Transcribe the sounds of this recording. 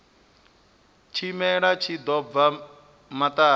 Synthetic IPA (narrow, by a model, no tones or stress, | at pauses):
t͡ʃʰimɛɺat͡ʃʰid̪ɔb̪va | mat̪ʼaː